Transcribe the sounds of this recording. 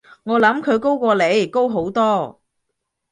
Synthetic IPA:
ŋɔː˨˧lɐ˨˥mkʰɵ˨˧ɥko˥wkʷɔː˧le˨˧jko˥wɦo˨˥wt̪ɔː˥

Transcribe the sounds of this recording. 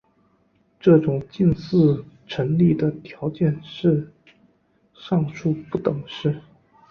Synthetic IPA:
ʈ͡ʂɤ˥˩ʈ͡ʂʊ˨˩ŋt͡ɕi˥˧nsɹ̩˥˧ | ʈ͡ʂʰə˧˥nli˥˩d̪ə˩t̪ʰjɑ˧˥ʊt͡ɕjɛ˥˩˧nʂɻ̩˥˧ | ʂɑ˥˧ŋʂʰu˥˧pu˥˩t̪ɤ˨˩˦ŋʂɻ̩˥˩

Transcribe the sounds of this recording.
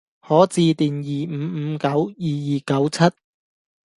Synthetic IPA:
hɔː˨˥t͡siː˧t̪iː˨njiː˨˩m̩ː˨˧˨kɐ˨˥wjiː˨jiː˨˩kɐ˨˥wt͡sʰɐ˥t̚

